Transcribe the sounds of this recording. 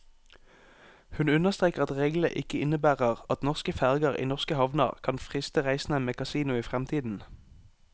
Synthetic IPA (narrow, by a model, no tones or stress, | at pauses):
hʉnʉnəʁst̪ʁeːkəʁɑt̪ʁeːɡlə̰ʔɪkəɪnəbæːʁəʁɑt̪nɔʁskəfæʁɡəʁḭːnɔʁskəhɑʋnə̰ʁkʰɑnfʁɪst̪əʁæɪsn̩ənmeːkɑsiːnʊiːfʁɛmt̪ʰiːd̪n̩